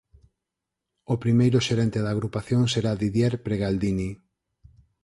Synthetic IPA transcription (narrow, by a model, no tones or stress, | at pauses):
opɾimejɾʊʃeɾɛnt̪eðaːɣɾupaθjoŋseɾaðiðjɛɾpɾeɣald̪ini